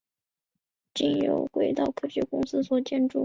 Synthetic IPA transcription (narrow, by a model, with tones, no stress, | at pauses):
t͡ɕi˥˩ŋjo̰˧˥ʊxwe˧˩ɪt̪ɑ˥˧ʊkʰɤ˥ɕɥɛ˥˩kʊ˥ŋsɹ̩˥swɔ˨˩t͡ɕjɛ˥˧nʈ͡ʂṵ˥˩